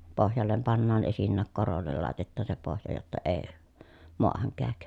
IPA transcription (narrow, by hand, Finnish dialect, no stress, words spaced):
pohjɑlːem pɑnːɑːn esinːæːk korolːel lɑˑetetːɑː se pohjɑ jotːɑ eː moɑhɑŋ kæːk